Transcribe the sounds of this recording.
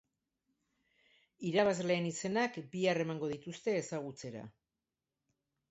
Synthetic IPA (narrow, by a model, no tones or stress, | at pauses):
iɾaβazle̞ːnise̞nakbiare̞maŋɡo̞ðit̪ust̪e̞ːsaɣ̞ut͡se̞ɾa̰